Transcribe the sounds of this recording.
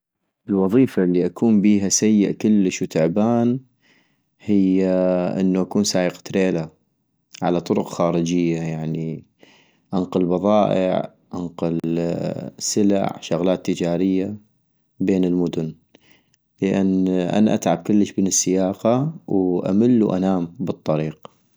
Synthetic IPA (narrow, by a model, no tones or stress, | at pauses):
ʔəlwɑðˤiːfaʔlːiʔakuːmbiːɦasajːɪʔkɪlːəʃwt̪ʊʕbaːn | hɪjːaʔɪ̰nːuʔakuːnsaːʔɪqḁt̪ɾeːla | ʕa̰lat̪ˤʊɾʊqxaːɾəd͡ʒɪjːajaʕni | ʔanqʊlbɑðˤɑːʔɪ̰ʕ | ʔanqʊl | sɪla̰ʕʃʊɣlaːt̪ːəd͡ʒaːɾɪjːa | beːnɪlmʊd̪ʊn | ləʔanːʔa̰naʔa̰t̪ʕab̚kʊlːəʃbɪnɪsːɪjaːqɑwʔa̰mɪlːuʔa̰naːmbɨt̪ˤːɑɾiːq